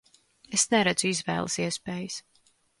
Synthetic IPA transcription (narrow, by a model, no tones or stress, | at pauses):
esnɛɾɛd̪z̥uizvɛ̰ːlˠəsiɛspeːjəs